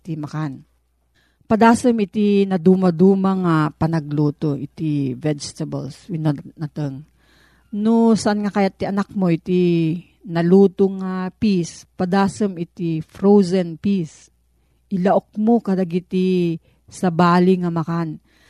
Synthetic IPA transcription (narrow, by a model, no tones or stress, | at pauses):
t̪imɐkan | pɐd̪aːsɐmɪt̪inɐd̪uːmɐd̪uːmɐŋɐpɐnɐɡ̚luːt̪oʔɪt̪ivɛd͡ʒt̪ɐbɐ̰lswɪnɐnɐt̪əŋ | nosɐʔanŋɐkajat̪̚ːɪɐnak̚moʔɪt̪i | nɐluːt̪oŋapispɐd̪aːsɨmɪt̪ifɾowzɛnpis | ʔɪlɐʔok̚mokɐlɐɡit̪i | sɐbaːlɪŋɐmɐkan